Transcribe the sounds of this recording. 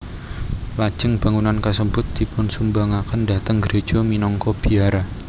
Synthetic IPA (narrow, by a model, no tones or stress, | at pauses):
lḁʒ̥ə̤ŋb̥a̤ŋunankəsəmbʊt̪̚d̥i̤pʊnsumbaŋakəndat̪əŋɡəɾed̥ʒ̥o̤minɔŋkɔb̥i̤aɾa